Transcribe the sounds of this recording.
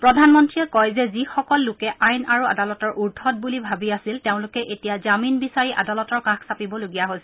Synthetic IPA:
pɹɔdʱanmɔntɹiɛkɔjzɛzixɔkɔlːʊkɛʔajnaɹua̰dalɔtɔɹʔuɹdʱʰɔt̚bulibʱabiasilteʊ̃nlʊkɛʔetijazaminbisaɹiʔa̰dalɔtɔɹkaxsapibɔloɡijaɦojsɛ

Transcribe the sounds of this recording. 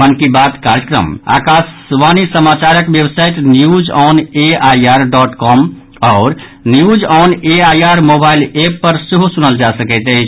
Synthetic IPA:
mənkibat̪kaɾjəkɾə̰ma̰kasʋanisəmat͡ʃaɾəkbjebsajʈnijud͡ʒɔneajaɾɖɔʈkɔm | ɔːɾ | nijud͡ʒɔneajaɾmobailepːəɾseɦusunəld͡ʒasəkɛt̪əɪt͡ʃʰ

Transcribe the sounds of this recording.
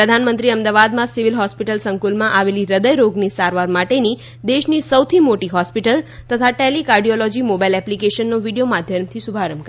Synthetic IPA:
pɾəd̪ʱanmə̃nt̪ɾiəmd̪aʋad̪mãsiʋilɦɔspiʈəlsəŋkulmãʔaʋeliɾəd̪əjɾoɡnisaɾʋaɾmaʈeni | d̪eʃnisəwt̪ʰimoʈiɦɔspiʈəlt̪ət̪ʰaʈɛlikaɾɖijɔlɔd͡ʒimobajlɛplikeʃənːoʋiɖijomad̪ʱjəmt̪ʰisubʱaɾəmkəɾ

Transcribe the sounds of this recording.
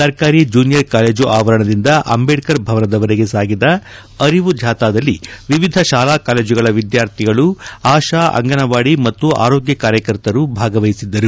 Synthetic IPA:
sɐɾkaːɾid͡ʒuːnijɐɾkaːle̞ːd͡ʒuʔaːʋɐɾɐɳɐd̪ind̪ɐʔɐ̰mbeːʈkɐɾbʱɐʋɐnɐd̪ɐʋɐɾeɡe̞saːɡid̪ɐ | ɐɾiʋud̪ʱjaːt̪aːd̪ɐlːiʋiʋid̪ʱɐʃaːlaːkaːle̞ːd͡ʒuɡɐɭɐʋid̪jaːɾt̪ʰiɡɐɭuaːʃaːʔɐ̰ŋɡɐnɐʋaːɽimɐt̪ːua̰ːɾoːɡjɐkaːɾjɐkɐɾt̪ɐɾubʱaːɡɐʋɐjisid̪ːɐɾu

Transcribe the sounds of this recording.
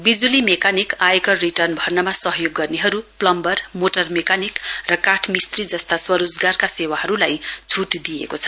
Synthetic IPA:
bid͡zulimekanikajkʌriʈʌrnbʱʌrnʌmasʌɦjoɡːʌrneɦʌɾuplʌmbʌrmoʈʌrmekanikrʌkaʈʰmist̪rid͡zʌst̪aswʌɾod͡zɡarkasewaɦʌɾulajt͡sʰuʈd̪ijḛkot͡sʰʌ̥

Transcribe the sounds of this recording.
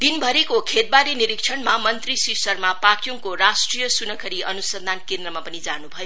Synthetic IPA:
d̪inbʱʌɾekokʰet̪̚baɾiniɾik̚t͡ʃʰʌnmamʌnt̪risisʌrmapakʰjuŋkoɾasʈrijʌsunʌkʰʌɾiʌnusʌnd̪ʱankend̪rʌmapʌnid͡zanubʱʌjo

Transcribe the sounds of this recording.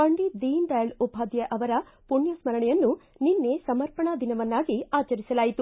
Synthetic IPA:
pɐɳɖid̪iːnɖɐjɐlubʱaːd̪jɐʔɐʋɐɾɐ | puɳjɐsmɐɾɐɳɛjɐnːu | ninːesɐmɐɾpɐɳɐd̪inɐʋɐnːaːɡiaːt͡ʃɐɾisɐlaːjit̪u

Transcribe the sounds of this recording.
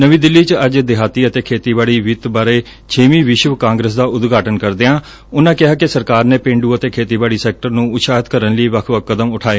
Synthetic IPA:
nəʋĩːd̪ɪlːiːt͡ʃəd͡ʒd̪ɪɦaːt̪iːət̪eːkʰeːt̪iːbaːɽiːʋɪt̪baːɾeː | t͡ʃʰeːʋĩːʋɪʃəʋkãːŋɡɾəs̬d̪aːʔʊd̪ɡaːʈənkəɾd̪eːãː | ʊnãːkɪɦaːkɪsəɾkaːɾneːpẽːɳɖuːət̪eːkʰeːt̪iːbaːɽiːsɛːk̚ʈəɾnũːʊʃaːɦət̪kəɾənləiːʋəkʰʋəkːəd̪əmʊʈʰaːeː

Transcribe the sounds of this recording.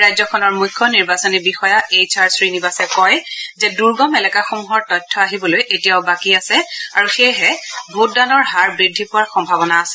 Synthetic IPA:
ɹajzɔkʰɔnɔɹmujkʰjɔniɹbasɔnibixɔjaejt͡ʃaɹsɹinibasɛkɔjzɛduɹɡɔmɛlɛkaxomuɦɔɹtɔjtʰːɔaɦibɔlojʔetijaʊbakiasɛaɹuxejɦɛbʱut̚danɔɹɦaɹbɹidʱːipʊwaɹxɔmbʱabɔnaːsɛ̥

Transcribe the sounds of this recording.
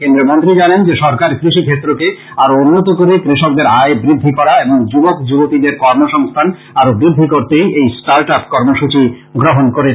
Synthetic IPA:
kend̪ɾomont̪ɾid͡ʑanend͡ʑeʃɔɾkaɾkɾiʃikʰet̪ːɾoke | aɾounːot̪okoɾekɾiʃok̚d̪eɾaebɾid̪ʱːikɔɾaeboŋd͡ʑubokd͡ʑubot̪id̪eɾkɔɾmoʃɔŋst̪ʰan | aɾobɾid̪ʱːikoɾt̪ejejsʈaɾʈapkɔɾmoʃut͡ɕi | ɡɾoɦonkoɾe

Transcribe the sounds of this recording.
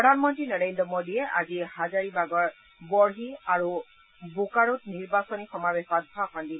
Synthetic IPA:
ɹɔdʱanmɔntɹinɔɹendɔmodiɛʔazihazaɹibaɡɔɹ | bɔɹɦiaɹu | bukaɹutniɹbasɔnixɔmabexɔt̚bʱaxɔndi

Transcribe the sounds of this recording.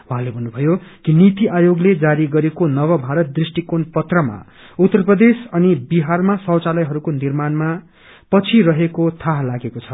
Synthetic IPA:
ũɦãlebʱʌnːubʱʌjokinit̪iʔajoɡled͡zaɾiɡʌɾekonʌwʌbʱaɾʌt̪̚d̪risʈikonpʌt̪rʌma̰ | ut̪ːʌrprʌd̪esʌnibiɦarmasʌwt͡salʌjɦʌɾukonirmanma | pʌt͡sʰiɾʌɦekot̪ʰaɦlaɡekot͡sʰʌ

